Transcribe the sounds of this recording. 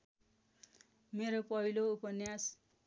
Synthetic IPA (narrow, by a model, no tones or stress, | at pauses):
meɾopʌɦiloupʌnjas